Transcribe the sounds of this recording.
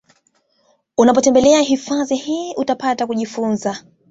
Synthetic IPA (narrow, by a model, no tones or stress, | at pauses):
unapɔtɛmbɛlɛaɦifaðihiːʔutapatakuʄifunza